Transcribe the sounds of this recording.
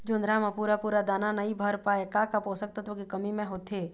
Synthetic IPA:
d͡ʒʊnɾamapuːɾapuːɾad̪aːnanɐibʱəɾpaːekakapoːsək̚t̪ɐt̪õkikɐmimẽɦoːt̪eː

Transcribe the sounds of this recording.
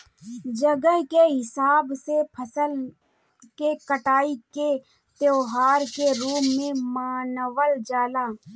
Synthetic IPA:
d͡ʒəɡəɦkeɦɪsaːbsepʰəsəl | kekəʈaːike | t̪joːɦaːɾkeɾuːmːẽmaːnəʋəld͡ʒaːlaː

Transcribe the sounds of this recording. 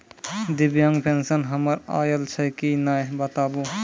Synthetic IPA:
d̪ibjaŋɡpʰensənɦəməɾa̰ːjəlt͡ʃʰəkinajbət̪aːbu

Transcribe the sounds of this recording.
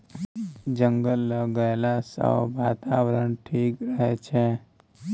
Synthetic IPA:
d͡ʒəŋɡəlːəɡəelasə̰ʋat̪aʋəɾəɳʈʰikɾəɦet͡ʃʰe

